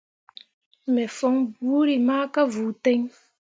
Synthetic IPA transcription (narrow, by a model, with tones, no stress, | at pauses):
mɛ˨fɔ˦ŋbu˨˦ɾi˨maː˦ka˦vuː˨tɛ˦ɲ